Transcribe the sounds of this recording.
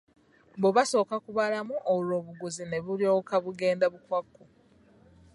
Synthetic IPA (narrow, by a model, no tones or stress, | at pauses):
boβaso̞ːkakuβalamuʔolwo̞ːβuɡuzine̞βulijo̞ːkaβuɡe̞ːndaβukwakːu